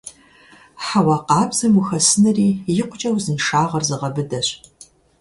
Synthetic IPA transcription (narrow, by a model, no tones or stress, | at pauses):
ħawɑːqɑːbz̥ɐmuxɐsɨnɨriːjɪqʷʊt͡ʃʼɐwzɨnʃaːʁɐrzɨʁɐbɨdɐɕ